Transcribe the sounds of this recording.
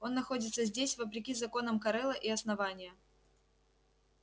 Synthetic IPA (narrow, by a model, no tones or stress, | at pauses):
o̞nːɐxo̞dʲɪt̪səzʲdʲesʲvəp̬ɾʲɪkʲizɐko̞nəmkɐɾɛlˠəʔiɐsnɐvanʲɪjə